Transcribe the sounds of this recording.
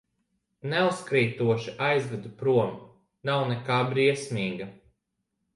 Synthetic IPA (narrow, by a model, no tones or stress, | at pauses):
nɛuskɾiːt̪uɔʃiʔajzvɛd̪upɾuɔm | nawnɛkaːbɾiɛsmiːɡɐ